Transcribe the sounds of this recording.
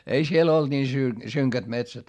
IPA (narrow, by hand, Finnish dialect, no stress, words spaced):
ei siel old̥ niː sy syŋkæt metsæt